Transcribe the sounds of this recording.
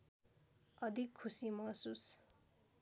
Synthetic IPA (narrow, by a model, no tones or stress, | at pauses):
ʌd̪ʱikʰːusimʌsus